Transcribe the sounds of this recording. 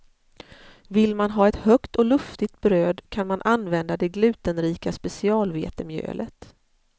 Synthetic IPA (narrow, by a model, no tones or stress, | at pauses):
vɪlːmanɦɑːɛt̪hœkt̪ɔlɵft̪ɪt̪̚bɾøːd̪kʰanmanʔanːvɛnd̪ad̪ɛɡlʉ̟ːt̪ənɾiːkaspɛsɪɑːlvḛːt̪əmjø̰ːlʔə̰t̪